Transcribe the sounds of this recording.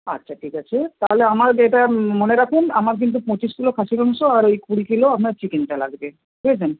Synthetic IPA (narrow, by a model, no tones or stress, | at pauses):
a̰tːɕʰaʈʰikat͡ɕʰet̪aɦoleamaɾeʈamoneɾakʰunamaɾk̬int̪̬upɔ̃t͡ɕiʃɡulokʰaʃiɾɔŋʃoaɾejkuɽikiloapnaɾt͡ɕikinʈala̰ɡbe | ɦuet͡ɕʰen